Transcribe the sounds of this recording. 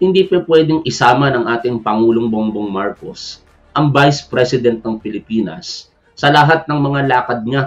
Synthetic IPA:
hɪnd̪ipɐpwɛd̪ɪŋʔɪsaːmɐnɐŋʔaːt̪ɪŋpɐŋuːloŋboŋboŋmaɹkos | ʔɐŋvajspɾɛsɪd̪ɛnt̪̚nɐŋpɪlɪpiːnɐ̰sː | ɐlɐɦat̪̚nɐŋmɐŋalaːkɐd̪̚ɲa

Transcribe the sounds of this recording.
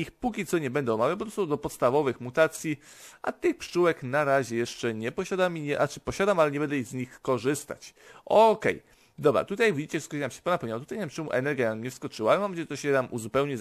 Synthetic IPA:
ixpukʲit̪sɔɲɛbɛnd̪ɛɔmavʲjapɔpɾɔsɔd̪ɔpɔt̪st̪avɔvɘxmut̪at̪sʲjiʔa̰t̪ɘxpʂuwɛknaɾaʑɛjɛʂt͡ʂɛɲɛpɔɕad̪amiɲɛʔat͡ʂɘpɔɕad̪amalɛɲɛbɛnd̪ɛiɣzɲixkɔʐɘst̪a̰t͡ɕʔɔkɛ̰j | d̪ɔbɾa̰t̪ut̪ajvʲid͡ʑit͡ɕɛfskɔt͡ʃɲamɕɛ̥pɔnapɛwɲawat̪ut̪aj̪amt͡ʂɛmuʔɛnɛɾɡjaaɲɛfskɔt͡ʂɘwalɛmɔmɛt͡ɕɛt̪ɔɕɛt̪amʔuzupɛwɲɛ

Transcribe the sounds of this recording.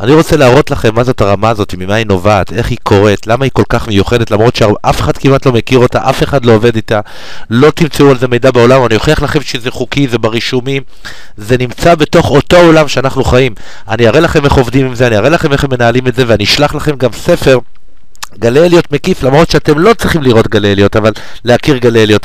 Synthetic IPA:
ʔaniʁot͡selaːʁo̞tlaχe̞mːazo̞t̪aʁamaːzo̞t̪imimaino̞vaːte̞χhikʰo̞ʁe̞t̪lamaiko̞lkaχmejuχe̞detlamʁo̞t̪ʃeʔafe̞χad̥̪kimat̪lo̞mekiʁo̞t̪aʔafe̞χadloːve̞d̪ita | lo̞t̪imt͡seualzeme̞jdabeo̞lamoanio̞χeaχlaχe̞mʃezeχukizebaʁiʃumim | ze̞nimt͡sabe̞to̞χo̞to̞olamʃeanaχnuχaim | aniaʁelaχe̞me̞χo̞vdimimzeaniaʁe̞laχe̞me̞χemːenaalimetzeveaniʃlaχlaχe̞mɡamse̞fe̞ʁ | ɡaleljo̞tme̞kiflamʁo̞t̪ʃeate̞mlo̞t͡sʁiχimliʁo̞tɡaleljo̞tavalː | eakiʁɡaleljo̞t

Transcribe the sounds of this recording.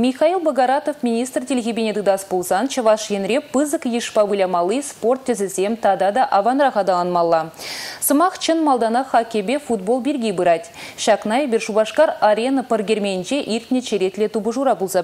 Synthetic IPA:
mʲiχɑilˠboɡɑɾɑt̪ofmʲinʲijst̪rt̪ʰelʲɣʲebʲened̪ɪd̪ɑsbulˠzɑnt͡ʃʰɑvɑʃjenɾʲebɨzəkjiʃpɑbulʲɑmɑlˠijspo̞rt̪ʰːʏzɪzemt̪ʰɑd̪ɑd̪ɑʔɑvɑnɾɑʁɑd̪ɑɑnmɑlˠːɑsəmɑqt͡ʃʰɪnmɑlˠd̪ɑnɑχɑkʲːebʲefud̪̚bo̞lˠbeɾɡʲijbəɾɑt̪ʲʃɑqnɑjbʲeɾʃubɑʃkɑɾaɾʲe̞nəpʰəɾɡʲeɾmʲennʒeʔiɾʲt̪ʲnet͡ʃʰeɾe̞t̪lʲet̪ubəʒuɾɑbulˠzɑ

